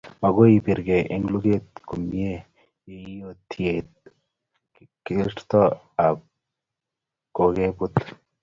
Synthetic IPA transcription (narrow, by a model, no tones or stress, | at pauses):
mɐɡoipiɾɡeʔeŋɡluɡet̪kumie | jeijot̪ʰːiet̪̚ | kiʈt̪ɔ | ab̚ | koɡebut̪